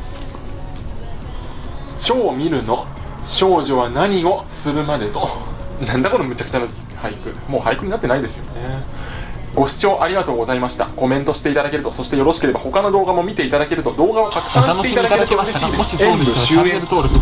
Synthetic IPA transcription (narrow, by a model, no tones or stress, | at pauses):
ɕo̞ːmʲiɾɯ̟no̞ | ɕo̞ːʑo̞β̞anaɲ̟io̞sɨɾɯ̟mad̪e̞zonãnd̪ako̞ɾomɯ̟t͡ɕakɯ̟̥t͡ɕana | haikɯ̟mo̞ːhaikɯ̟ɲ̟inat̪ːeaid̪e̞sɨjo̞ne | ɡ̥o̞ɕi̥t͡ɕo̞ːʔaɾʲiɡat̪o̞ːɡo̞zaimaɕi̥t̪a̰ko̞mẽ̞nt̪o̞ɕi̥t̪e̞it̪ad̪ake̞ɾɯ̟t̪o̞so̞ɕi̥t̪e̞jo̞ɾo̞ɕi̥keɾe̞baho̞kano̞d̪o̞ːɡamo̞mʲit̪e̞it̪ad̪ake̞ɾɯ̟t̪o̞d̪o̞ːɡaβakakɯ̟̥kãite̞it̪aak̪eɯtoɾeɕiːd̪eẽmɯɕɨet̪oɾ